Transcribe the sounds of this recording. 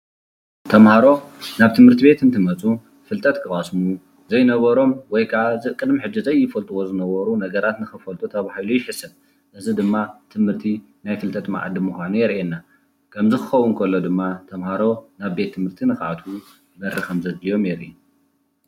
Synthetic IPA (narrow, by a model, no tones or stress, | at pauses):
t̪ʰɐmhaɾo̞naβt̪ʰɨmhɨɾt̪ʰibe̞t̪ʰɨnt̪ʰɨmɐt͡sʼu | fɨlt̪ʼɐt̪kʰɨχʼasmu | zɐjnɐβɐɾo̞mwɔjkʰaʔazɨʔkʼɨd̪miħɨd͡ʒːizɐjːɪfɐlt̪ʼuwo̞zɨnɐβɐɾunɐɡɐɾat̪nɨxɨfɐlt̪ʼut̪ʰɐβahilujɪħɨsɐn | ʔɨzɨd̪ɨmːat̪ʰɨmhɨɾt̪ʰi | najfɨlt̪ʼɐt̪ma̰ʕa̰d̪ɨmːuxʷanujɛɾʔenːa | kʰɐmzɨxɨxɐwːʊnkʰɐlːod̪ɨmːat̪ʰɐmhaɾo̞naβbe̞t̪ʰːɨmhɨɾt̪ʰinɨxaʕat̪ʰu | mɐɾɨxɐmzɐd̪lijo̞mjɛɾʔi